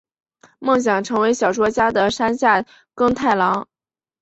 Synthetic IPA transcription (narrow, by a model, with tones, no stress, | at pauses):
mɤ˥˩ŋɕ̬jɑ˨˩ŋʈ͡ʂʰɤ˧˥ŋwe˧˥ɪɕjɑ˨˩ʊʈ͡ʂwɔ˥t͡ɕja˥d̪ə˨ʂa˥nɕja˥˩ | kɤ˥˧ŋt̪ʰa˥˩ɪlɑ˧˥ŋ